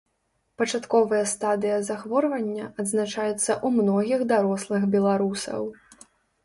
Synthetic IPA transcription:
pɐt͡ʂat̪kɔvɐjɐst̪ad̪ɨjɐzaxvɔrvɐnʲːɐɐd̪znat͡ʂajɛt̪sːɐʔumnɔɣʲiɣd̪aɾɔslˠɨɣbʲɛlˠaɾusɐ̰w

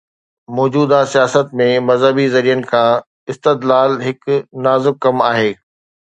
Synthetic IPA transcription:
mɔːd͡ʑuːd̪asijaːsət̪̚mẽmɐzɦəbizɐɾijənɪ̆kʰãː | ɪst̪ɪd̪laːlɦɪknaːzɪb̚kɐmaːɦeː

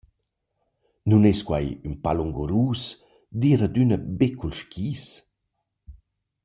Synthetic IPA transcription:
nuneskwa̰jynpaluŋɡuɾuːs | d̪iːɾəd̪ynəbekʰulʃkʰiːs

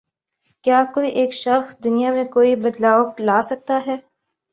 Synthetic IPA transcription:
kjaːkoːiʔeːkʃɐxsd̪ʊnijamẽkoːibɐd̪laːoklaːsɐk̚t̪aɦɛː

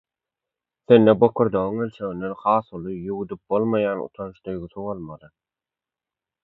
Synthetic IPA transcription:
θe̞nːebo̞kʰuɾd̪oɣɯŋelʲt͡ʃʰeɣind̪enχɑːθulˠɯjuwud̪yp̚bolˠmɑjɑːnṵt̪ʰɑnʃd̪øjɡyθywolˠmɑd̪ˠɯ

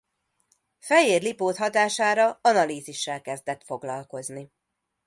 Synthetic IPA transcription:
fɛjeːrlipoːt̪ɦɒt̪aːʃaːɾɒɒnɒliːziʃːɛlkɛzd̪ɛt̪fo̞ɡlɒlko̞zni

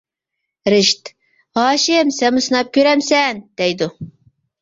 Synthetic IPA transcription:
ɾɪʃt̪ | hɑːʃɪmsɛmɨsɨnɑp̚kʲøɾɛmsɛnd̪̥ɛjd̪u

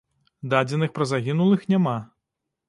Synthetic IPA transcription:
d̪ad͡zʲɛnɨxpɾɐzaɣʲinulˠɨxnʲama

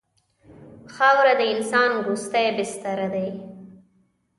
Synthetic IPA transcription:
xɑwɾad̪əɪnsɑːnɡust̪ajbɪst̪aɾad̪aj

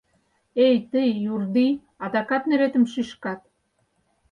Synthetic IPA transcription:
ejt̪əjːurd̪i | ɑd̪ɑkɑt̪neɾet̪ə̆mʃyʃkɑt̪̚

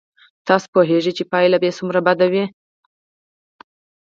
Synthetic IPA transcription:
t̪ɑspoɦeʐit͡ʃepɑjlabesumɾabad̪awi

